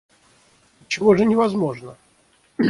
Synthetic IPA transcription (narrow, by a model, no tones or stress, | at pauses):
t͡ɕɪvoʐɨnʲɪvɐzmoʐnə